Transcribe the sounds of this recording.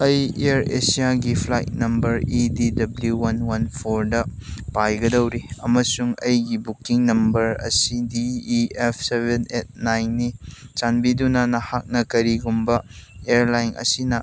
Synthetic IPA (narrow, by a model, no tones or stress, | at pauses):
ɐjeɾesijaɡipʰlajt̚nɐmbɐɾididɐbljuwɐnwɐnpʰoɾdɐpajɡɐdɐwɾiɐmɐsuŋɐjɡibukiŋnɐmbɐɾɐ̰sidiːep̚ʰsebenet̚najnːit͡ʃanbidunɐnɐhak̚nɐkɐɾiɡumbɐeɾlajnʔɐ̰sinɐ